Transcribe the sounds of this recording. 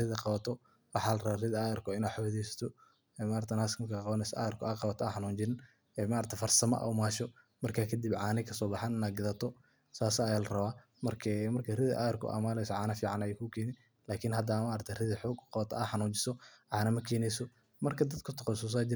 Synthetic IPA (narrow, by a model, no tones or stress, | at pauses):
rɪðɐqɑβɐt̪ʰɔ | wɑħɑːlɐrɐβaːrɪðɐaɣɐrkʰɔɪnaːdħɔwðɛjsɐ̥t̪ʰɔ | ɛːmaːɾt̪ʰɐnaːskmkʰaqɑβɐnɛsɔʔa̰ɣɐrkʰɔaqɑβɐt̪ʰɔɐħɑnuːnt͡ʃɪn | ɛːmɐɾt̪ʰɐfɐrsɐmɐ̰ʔɔ̰wmaːʃɔ | mɐrkʰaːkʰɐd̪ibʕɑːnɪkʰɐsɔːbɑħɑnɪnaːd̪̚ɡɪðɐt̪ʰɔ | saːsːjaːlɐrɐβaː | mɐrkʰɛmɐrkʰɐrɪðɐ̰ʔa̰ɣɐrkʰʊ̰ʔa̰maːlɛjsɔʕɑːnɐfiːʕɑnɐjɛkʰʊkʰɛːnɪn | laːkʰɪnɦɐd̪ɐmɐʔɾɐt̪ʰɐrɪðɐħɔːɡqɑβɐt̪ʰɐɐħɑnuːɲt͡ʃɪ̥sɔʕɑːnɐmɐkʰɛːnɛjsɔ | mɐrkʰɐd̪ɐd̪kʰʊt̪ʰɔɔsus̬aːt͡ʃɪ